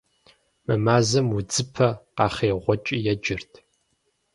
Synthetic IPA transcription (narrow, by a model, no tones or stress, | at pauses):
mɨmaːzɐmwʊd͡zɨpʰɐqɑːχeːʁʷɔt͡ʃʼijɛd͡ʒɪrtʰ